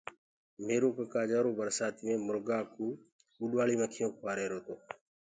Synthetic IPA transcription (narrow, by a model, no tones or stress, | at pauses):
meːɾoːkəkaːd͡ʒaːɾoːbəɾsaːt̪iːmẽːmʊɾɡaːkuː | ɓʊɗʋaːɭiːməkʰijõːkʰʋaːɾeːɾoːt̪oː